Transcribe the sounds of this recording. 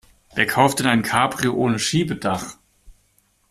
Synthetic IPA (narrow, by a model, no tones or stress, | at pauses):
ʔeːɐkʰaʊftɪnaɪnkʰaːpʁ̥ioːʔoːnəʃiːbədaχ